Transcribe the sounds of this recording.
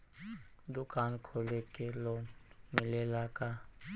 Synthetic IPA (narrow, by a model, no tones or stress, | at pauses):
d̪ʊkaːnkʰolekeloːmɪlelaka